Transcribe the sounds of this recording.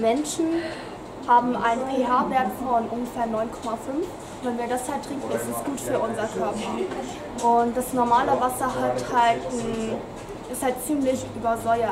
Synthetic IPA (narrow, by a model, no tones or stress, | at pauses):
mɛnʃn̩ | haːbm̩ʔa̰ɪnənpʰeɦaɐveːɐtfɔnʔʊnɡəfeːɐnɔʏnkʰɔmafʏnf | vɛnviːɐdashatʁ̥ɪŋkn̩ɪstɛsɡ̥uːtfyːɐʔʊnzɐkʰœɐpʰɐ | ʔʊnt̚d̥asnɔɐmaːləvasɐɦalthaltn̩ | ʔɪsthalt̚t͡siːmlɪçʔyːbɐzɔʏɐ